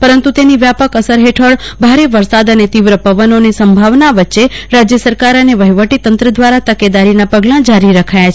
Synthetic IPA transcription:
pəɾənt̪ut̪eniʋjapəkəsəɾɦeʈʰəɭbʱaɾeʋəɾsad̪ənet̪iʋɾəpəʋənonesəmbʱaʋnaʋətːʃeɾad͡ʒjəsəɾkaɾəneʋəɦiʋəʈit̪ənt̪ɾəd̪ʋaɾat̪əked̪aɾinapəɡlãd͡ʒaɾiɾəkʰajat͡ʃʰ

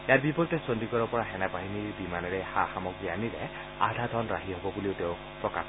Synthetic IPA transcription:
jaɹbipɔɹitɛsɔndikɔɹɔpɔɹaɦɛnapaɦiniɹbimanɔɹɛxaxamɔɡɹianiɾɛ̰ | a̰d̪ʱad̪ʱɔnɹa̰ɦiɦɔbɔbuliʊteʊ̃ | pɔka̰

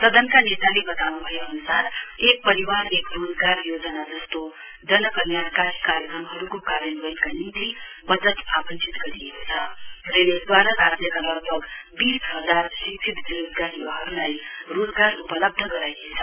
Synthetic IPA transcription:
səd̪ənkanet̪alebət̪anũbʱəjeɦənusaɾek̚pəɾiʋaɾeːkɾoːzɡaɾjoːd͡zənad͡zəst̪o | d͡ʒənəkənjankakaɾjəkɾəmɦəɾukokaɾjənʋənkanint̪ibəd͡zət̪apənt͡ʃit̪kəɾit̪ʰaɾened̪ʋaɾaɾat̪jəkanəɾbʱəɡbiːsɦəzaɾsikt͡ʃʰit̪d̪iɾud̪ɡaniʋaɦəɾnajɾoːzɡaɾupələb̚d̪ʱəkəɾajt̪etʰa

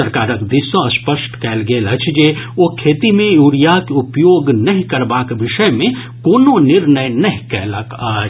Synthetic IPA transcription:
əɾkaːɾəkd̪ɪsõɐspəʃʈkɛːlɡeːlɐt͡ʃʰd͡ʒeːokʰeːt̪imẽjuːɾijakeʊpjoːɡnɐɦĩkɐɾbaːkʋɪʃəjmẽ | koːnõnɪɾnəjnɐɦĩkɛ̰ːlakaː

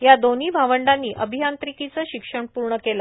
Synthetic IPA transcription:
jad̪oniːbʱaʋəɳɖanːiːʔəbʱijant̪ɾikit͡səɕikʂəɳpuɾɳəkelə

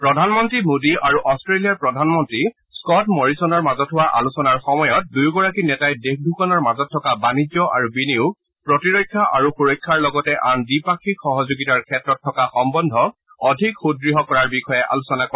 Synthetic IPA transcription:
pɹɔdʱanmɔntɹimodiʔaɹuʔɔstɹelijaɹpɹɔdʱanmɔntɹi | skɔtmɔɹisɔnɔɹmazɔtɦʊwaʔa̰lusɔnaɹxɔmɔjɔt̚dujɡɔɹakinɛtajdek̚dʱukɔnɔɹmazɔtʰːɔkabanid͡ʒɔa̰ɹubiniu | pɹɔtiɹɔjkʰːaʔaɹuxuɹɔjkʰːaɹlɔɡɔtɛʔandipakʰikxɔɦɔzoɡitaɹkʰɛtɹɔtʰːɔkaxɔmbɔndʱɔ | ɔdʱikxudɹiɦɔkɔɹaɹbixɔjɛʔa̰lusɔnakɔ

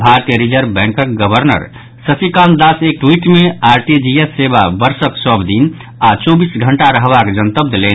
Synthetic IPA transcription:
bʱaɾt̪ijəɾid͡ʒəɾbɛ̃ŋkək̚ɡəbʱəɾnə̰ɾ | səsikand̪asek̚ʈwiʈmeaɾʈid͡ʒiesːeba̰bəɾsəksəbd̪in | at͡ʃobisɡʱəɳʈaɾəɦbakd͡ʒənt̪əb̚d̪ʱlen

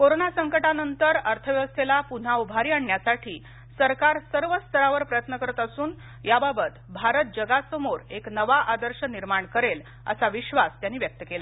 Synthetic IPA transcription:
koɾonasəŋkəʈanənt̪əɾəɾt̪ʰəʋjʋəst̪ʰelapun̤aubʱaɾiaɳːjasaʈʰiː | səɾkaɾsəɾʋəst̪ʰəɾaʋəɾpɾəjət̪nəkəɾət̪əsuːn | jababət̪bʱaɾət̪̚d͡ʑəɡasəmoɾeknəʋaʔad̪əɾɕəniɾmaɳkəɾel | ə̰saʋiɕʋast̪janːiːʋjək̚t̪əkela

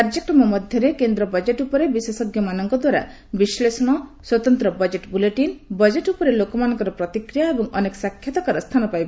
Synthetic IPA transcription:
kaɾd͡ʒekɾɔmɔmɔd̪ʱjɔɾekend̪ɾɔbɔd͡ʒeʈupɔɾebisesɔɡjɔmanɔŋkɔd̪waɾa̰ | bislesɔɽ̃ɔswɔt̪ɔnt̪ɾɔbɔd͡ʒeʈbuleʈinbɔd͡ʒeʈupɔɾelokɔmanɔŋkɔɾɔpɾɔt̪ikɾijaebɔŋɔnekɔ̥sakʰjɔt̪ɔkaɾɔst̪ʰanɔpajbɔ

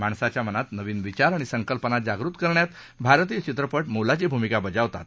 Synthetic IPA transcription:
maɳsat͡ɕjamənat̪nəʋiːnʋit͡ɕaɾaɽ̃isəŋkəlpənad͡ʑaɡɾuːt̪kəɾɳjat̪ | bʱaɾt̪iːət͡ɕit̪ɾəpəʈmolat͡ɕibʱumikabəd͡zaʋt̪a̰t̪̚

